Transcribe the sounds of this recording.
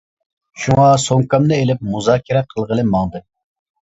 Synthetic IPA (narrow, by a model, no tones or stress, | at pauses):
ʃuŋɑsoŋkɑmnɨelɪpmuzɑːkʲʰɪɾɛqʰəlˠʁəlˠɨmɑŋd̪ɨ